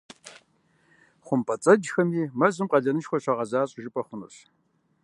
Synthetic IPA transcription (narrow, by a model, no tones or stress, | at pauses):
χʷʊmpʰʼɐt͡sʼɐd͡ʒxɐmiːmɐzɨmqʼɐɮɐnɨʃxʷɔɕʷɐʁɐzaːɕʼʒɪpʼɐχʷʊnɨ̰rɕ